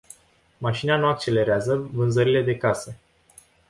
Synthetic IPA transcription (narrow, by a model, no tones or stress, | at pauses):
maʃineanuak̚t͡ʃe̞le̞ɾeazəvɨnzəɾile̞d̪e̞kase